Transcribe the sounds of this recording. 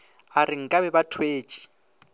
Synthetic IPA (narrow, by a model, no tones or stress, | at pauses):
arɪŋ̩kʼabɛbatʰweːt͡ʃʼi̥